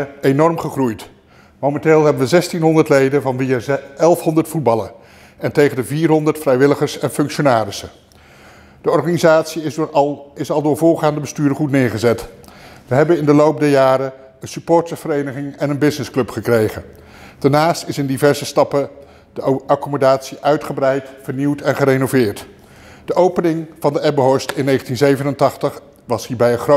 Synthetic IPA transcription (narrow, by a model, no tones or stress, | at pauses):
enɔrmχəχrujt | mowmɛnteːlˠɦɛbənʋəzɛstinɦɔndətlejdənvɑnʋiəɛlˠfɦɔndətfud̚bɑlə̰n | ɛntejχəndəviːrɦɔndəɹtfrɛjʋɪləχəɹsɛnfɵŋkʃonaːɾɪsə | d̥əɔɹχanizaːtsi | ɪsɑlˠdʊːɹvʊːχaːndəbəstyːdəχutnɪːɹχəzɛtʋəɦɛbənɪndəlowp̚dəjaːɾə | ənsypʊːɹtəv̥əɾejnəχɪŋɛnənbɪsnɪsklɵpχəkrejχən | d̥ɛnaːstɪsɪndivɛɹzəstɑpə | d̥əɑkymodaːtsiʔœɥtχəbrɛjtfəɹniwtɛnχəɾejnovɪːɹt | d̥əʔowpənɪŋv̥ɑndəɛbəɦɔɹstɪnːejχəntinzejvənəntɑχtəχ | ʋɑsɦiːɹbɛjənχro